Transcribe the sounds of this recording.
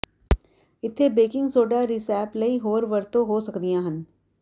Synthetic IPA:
ɪt̪ʰːeːbeːkɪ̃ŋɡsoːɖaːɾisɛːpləiɦoːɾʋəɾt̪õɦoːsəkd̪ɪjãːɦən

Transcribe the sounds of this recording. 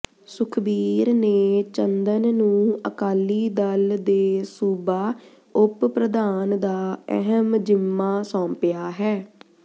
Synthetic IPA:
sʊkʰbiːɾneːt͡ʃənd̪ənnũːəkaːliːd̪əld̪eːsuːbaː | ʊppɾəd̪aːnd̪aːɛ̰ɦəmd͡ʒɪmːaːsɔ̃ːmpjaːɦɛː

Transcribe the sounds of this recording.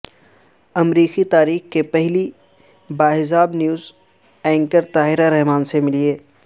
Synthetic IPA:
ɐmɾiːxit̪aːɾiːxkepɛɦli | baːɦɪsaːbnjuːz | ɛ̃ːŋkəɾt̪aːɦɪɾaɾɛɦmaːnsemɪlieː

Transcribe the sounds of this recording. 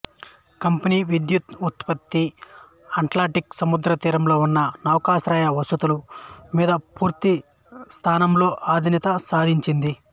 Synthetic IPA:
kɐmpɐniːʋid̪jut̪ut̪pɐt̪ːi | ɐʈlaːʈiksɐmud̪ɾɐt̪iːɾɐmlo̞ːunːɐnɐwkaːsɾɐːjɐʋɐsut̪ulumiːd̪ɐpuːɾt̪i | st̪ʰaːnɐmlo̞ːʔaːd̪ʱinɐt̪ɐsaːd̪ʱiɲt͡ʃind̪i

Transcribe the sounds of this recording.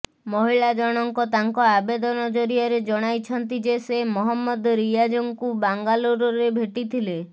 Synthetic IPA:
mɔɦiɭad͡ʒɔɽ̃ɔŋkɔt̪aŋkɔabed̪ɔnɔd͡ʒɔɾijɔɾed͡ʒɔɽ̃ajt͡ʃʰɔnt̪id͡ʒesemɔɦɔmːɔd̪ɾijad͡ʒɔŋkubaŋɡaloɾɔɾebʱeʈit̪ʰile

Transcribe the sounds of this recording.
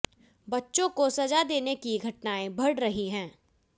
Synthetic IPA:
bɐtːʃõkosɐd͡ʒad̪eːnekiɡʱɐʈnaːẽbʱɐɽɾɐɦiɦɛ̃ː

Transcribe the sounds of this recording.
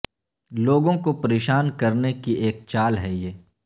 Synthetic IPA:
loːɡõkopɐɾeːʃaːnkɐɾnekiʔeːk̚t͡ʃaːlɦɛjeː

